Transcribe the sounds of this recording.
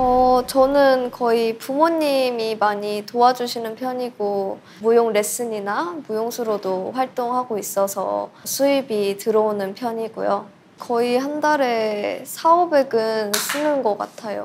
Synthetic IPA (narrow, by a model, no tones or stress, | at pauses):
ʌt͡ɕʌnɯnkʌipumoɲːimimaɲitoad͡ʑuɕʰinɯnpʰjʌɲiɡo | mujoŋɾe̞s͈ɯɲinamujoŋsʰuɾodoɸwaɭt͈oŋhaɡois͈ʌsʰʌ̰sʰuibitɯɾʌonɯnpʰjʌɲiɡṵjo | kʌihandaɾe̞sʰaobe̞ɡɯns͈ʰɯnɯnɡʌk͈a̰tʰajo̰